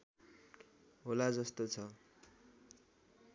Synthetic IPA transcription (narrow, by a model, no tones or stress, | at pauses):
ɦolad͡zʌst̪ot͡sʰʌ